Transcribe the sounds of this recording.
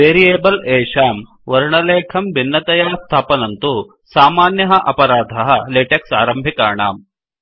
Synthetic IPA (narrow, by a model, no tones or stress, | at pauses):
ʋeːɾieːbɐleːʂaːm | ʋɐɾɳɐleːkʰɐmbʱinːɐt̪ɐjaːst̪ʰaːpɐnɐnt̪u | saːmaːnjɐɦɐʔɐpɐɾaːd̪ʱɐɦɐleːʈeksa̰ːɾɐmbʱikaːɳa̰ːm